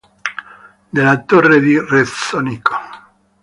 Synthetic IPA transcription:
d̪elat̪ored̪iresoniko̥

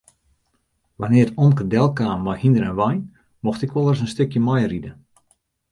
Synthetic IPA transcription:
ʋanɪətɔnkədɛlˠkaːmʋɔjhindərɛnʋɔjn | moxtɪkʋɔlˠərs̬ənstʏkjəmɔjridə

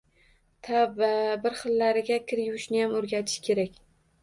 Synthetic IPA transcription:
t̪ʰababɪɾχɨlːaɾɪɡʲakʲʰɪɾjʊwɪʃnɪjamɵɾɡʲat̪ʰɪ̥ʃkʲʰe̞ɾakʲ

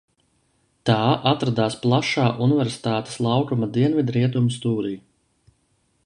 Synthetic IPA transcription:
t̪aːʔat̪ɾad̪aːsplˠaʃaːʔunivɛɾsi̥t̪aːt̪e̥slˠawkumad̪iɛnvid̪ɾiɛt̪̬umst̪uːɾij

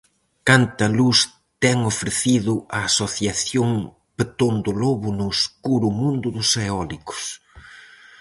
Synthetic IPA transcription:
kant̪ɐlus | t̪ɛŋofɾeθiðʊʔɐːsoθjaθjoŋ | pet̪ond̪ʊloβʊnʊskuɾʊmũnd̪ʊðʊseɔlikʊ̥s

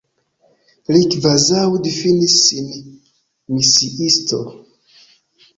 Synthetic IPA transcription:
likvazawdifinisːin | misiʔisto̰

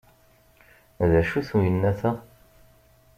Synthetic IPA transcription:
ðæʃuθujənːæθæ

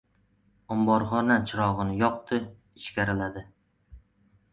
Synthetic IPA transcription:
ɒmbɒɾχɒnat͡ʃʰɪɾɒʁɨnɪjɒq̚t̪ʰɪ | ɪʃkʲaɾɪlad̪ɪ

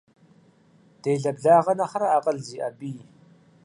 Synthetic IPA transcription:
d̥eːɮɐbɮaːʁɐnɐχɐɾaaːqʼəɮziːʔɐbiː

